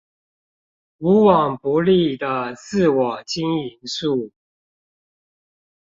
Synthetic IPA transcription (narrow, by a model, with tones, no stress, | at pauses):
u˧˥wɑ˨˩ŋpu˧˥li˥˩d̪ə˨˦sɹ̩˥˩wɑ˨˩t͡ɕi˥ŋi˧˥nsu˥˩